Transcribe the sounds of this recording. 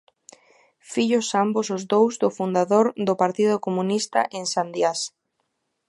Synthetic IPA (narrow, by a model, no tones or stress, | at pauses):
fiʎʊsambʊsʊzd̪owzðʊfund̪aðoɾðʊpaɾt̪iðʊkomunist̪a̰ʔeŋsand̪jas